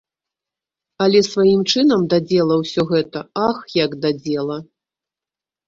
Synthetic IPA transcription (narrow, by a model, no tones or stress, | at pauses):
ɐlʲɛsvajimt͡ʂɨnɐmd̪ad͡zʲɛlˠɐwsʲɔɣɛt̪ɐaxjɐɡd̪ad͡zʲɛlˠɐ